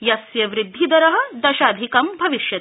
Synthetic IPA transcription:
jɐsjɐʋɾɪd̪ʱːid̪ɐɾɐɦɐ̆d̪ɐʃaːd̪ʱikɐmbʱɐʋiʃjɐt̪

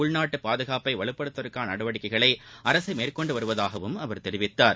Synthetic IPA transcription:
ʊɭnaːʈːɯpaːðɯɣaːpɐɪʋɐɭɯpːɐɽɯt̪ːɐɾɯkːaːnɐɽɐʋɐɽɪkːɐɪɣɐɭɐɪʔɐɾɐsɐɪmeːrkɔɳɖɯʋɐɾɯʋɐðaːɣɐʋɯmɐʋɐɾt̪ɛɾɪʋɪt̪ːaːɾ

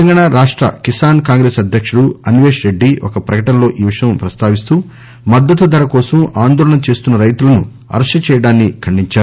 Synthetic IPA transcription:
ɐŋɡɐɳaɾaːʂʈɾɐ̰kisaːnkaːŋɡɾe̞ːsɐd̪ʱjɐkʂuɽuɐnʋe̞ːʂɾe̞ɖːiɔ̰kɐpɾɐkɐʈɐnlo̞ːʔiːʋiʂɐjɐmpɾɐst̪aːʋist̪uː | mɐd̪ːɐt̪ud̪ɐɾɐkɔːsɐmaːnd̪ɔːɾɐɳɐt͡ʃe̞ːst̪unːɐɾɐjt̪ulɐnṵ | ɐ̰ɾɐʂɐt͡ʃɛːjɐɽaːnːikʰɐɳɖiɲt͡ʃaːɾu

